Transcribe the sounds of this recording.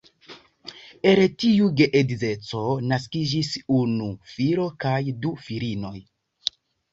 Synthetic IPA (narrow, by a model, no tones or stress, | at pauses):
eɾetiuɡe̞ʔedize̞t͡so̞naskid͡ʒisunufiɾo̞kajdufiɾino̞j